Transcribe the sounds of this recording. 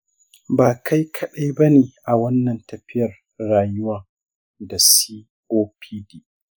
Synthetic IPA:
baː˨kʰa˦jkʰɐ˦ɗa˦jbɐ˦neː˨ʔa˨wɐ˦nːɐ˨ntɐ˨ɸɪ˦jɐ˨r | ɽaː˨jʊ˦waː˨ | da˨siː˦ | ʔoː˦pʰiː˦diː˦

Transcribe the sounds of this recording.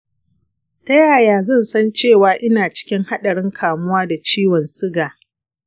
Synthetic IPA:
tɐ˦jaː˨jaː˨zɐ˦˨nsɐ˦nt͡ʃeː˦˨waː˨ʔɪ˦naː˨t͡ʃɪ̥˦kʲɪ˦ŋha˦ɗɐ˨ɽɪ˦ŋkʰaː˨mʊ˦waː˦da˨t͡ʃiː˦wɔ˨nsɪ˦ɡaː˨

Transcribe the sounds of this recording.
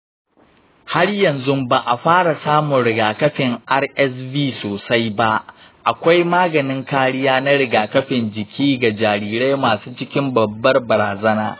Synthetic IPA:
ha˦rjɐ˨nzʊ˦mba˨ʔa˨ɸaː˦ɽa˨saː˦mʊ˨nɽɪ˨ɡaː˨kɐ˦ɸɪ˨ŋʔa˦rʔɛ˦sbiː˦soː˨sa˦jba˦ʔ | ʔa˨kʷa˦jmaː˦ɡɐ˨nɪ˦ŋkaː˦ɽɪ˦jaː˦na˦ɽɪ˨ɡaː˨kɐ˦ɸɪ˨nd͡ʒɪ˨kʲʰiː˦ɡa˨d͡ʒaː˨ɾiː˨ɾa˦jmaː˨suː˦t͡ʃɪ˦kʲɪ˦mbɐ˨bːɐ˦rbɐ˨ɾaː˨zɐ˦na̰ː˦

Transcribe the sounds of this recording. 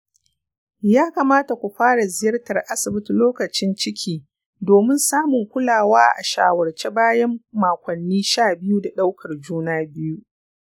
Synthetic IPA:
jaː˦ka˨maː˦ta˨kʷu˨ɸaː˦ɽa˨zɪ˨jɐ˦rtɐ˨rʔa˦sɪ˨bɪ˦tloː˦kɐ˨t͡ʃɪ˦nt͡ʃɪ˦kʲʰiː˨ | doː˨mɪ˦nsaː˦mʊ˨ŋkʷʊ˦laː˨waː˦ʔa̰˨ʃa̰ː˨wɐ˨rt͡ʃe˦baː˦jɐ˦mːaː˨kʷɐ˨nːiː˦ʃaː˦˨bɪ˦ju˦da˨ɗa˦wkʰɐ˨rd͡ʒuː˦naː˦bɪ˦ju˦ʔ

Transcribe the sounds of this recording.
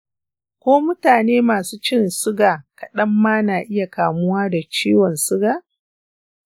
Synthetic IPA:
kʷoː˦mʊ˦taː˨neː˦maː˨suː˦t͡ʃɪ˦nsʊ˦ɡaː˨kɐ˨ɗɐ˦mːaː˦naː˨ʔɪ˦ja˨kaː˨mʊ˦waː˦da˨t͡ʃiː˦wɔ˨nsʊ˦ɡaː˨

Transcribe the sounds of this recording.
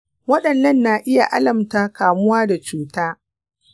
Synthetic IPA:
wɐ˦ɗɐ˨nːɐ˦nːaː˨ʔɪ˦ja˨ʔa˦lɐ˨mtaː˦kaː˨mʊ˦waː˦da˨t͡ʃuː˦taː˦

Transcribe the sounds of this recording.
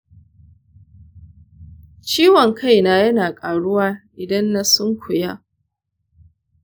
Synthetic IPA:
t͡ʃiː˦wɔ˨ŋkʰa˦˨jnaː˦jɐ˦naː˨kʼaː˨ɽʊ˦waː˦ʔɪ˨dɐ˦nːa˦sʊ˦ŋkʷʰʊ˨ja˦ʔ

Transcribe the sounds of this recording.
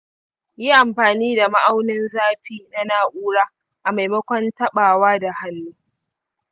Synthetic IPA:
ji˦ʔa˨mɸaː˨niː˦da˨ma˦ʔa˦wnɪ˦nzaː˦ɸiː˦na˦naː˨ʔʷuː˦ɽaː˦ | ʔa˨ma˨jmɐ˦kʷɔ˦ntɐ˦ɓaː˨waː˦da˨ha˦nːuː˦

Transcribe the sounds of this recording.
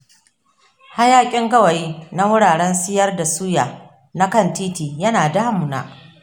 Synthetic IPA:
ha˦jaː˦kʲʼɪ˦ŋɡɐ˦wɐ˨ji˦na˦wʊ˦ɽaː˨ɽɛ˦nsɪ˦jɐ˦rda˨suː˦jaː˨ | na˦kɐ˦˨ntiː˦tiː˨jɐ˦naː˨daː˦mu˨na̰ː˦ʔ

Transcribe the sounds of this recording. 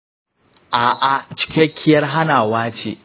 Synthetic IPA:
ʔaː˨ʔa˨t͡ʃɪ̥˦kʲɛ˦kʲʰːɪ˦jɐ˦rɦa˦naː˨waː˦t͡ʃḛː˨

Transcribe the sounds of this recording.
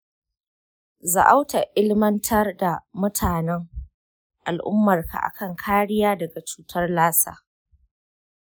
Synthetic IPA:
za̰˨ʔa˦wta˨ʔɪ˦lmɐ˦ntʰɐ˦rda˨mʊ˦tʰaː˨nɛ˦ŋ | ʔa˨lʔʊ̰˦mːɐ˨rkʰa̰˨ʔa̰˨kɐ˦˨ŋkʰaː˦ɽɪ˦jaː˦dɐ˨ɡa˨t͡ʃuː˦tʰɐ˦rlaː˦sa̰ː˦

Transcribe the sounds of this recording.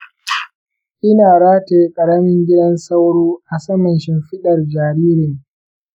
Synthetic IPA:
ʔɪ˦naː˨ɽaː˦teː˨˦kʼɐ˨ɽɐ˦mɪ˦ŋɡʲɪ˦dɐ˦nsɐ˦wɽuː˦ʔa˨sɐ˦mɐ˨nʃɪ˦mɸɪ˦ɗɐ˨rd͡ʒaː˨ɾiː˦ɾɪ˨ŋ

